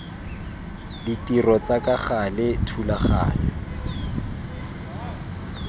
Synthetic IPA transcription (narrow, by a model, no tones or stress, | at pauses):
ditirɔt͡sakaχalɪtʰulaχa̰ːjɔ